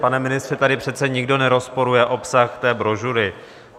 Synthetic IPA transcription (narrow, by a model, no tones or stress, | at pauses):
panɛmɪnɪst̪r̥ɛt̪adɪpr̝̥ɛt̪t͡sɛɲɪɡdo̞nɛɾo̞spo̞ɾujɛʔo̞psaxt̪ɛːbɾo̞ʒuɾɪ